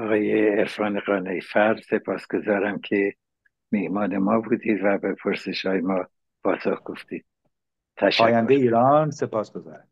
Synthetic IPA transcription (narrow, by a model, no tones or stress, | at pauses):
ɒɣɒːjeːɾfɒːneɣɒːnejfæɾse̞pʰɒːsɡ̥o̞zɒːɾæmcʰe̞ | mihmɒːnemɒːbuːd̪iːd̪væbepʰoɾseʃhɒːjemɒː | pʰɒːsoxɡ̥o̞ft̪iːd̪̥̚ | t̪ʰæʃæːjænd̪ejeiːɾɒnse̞pɒːsɡ̥ozɒ̰ːɾæ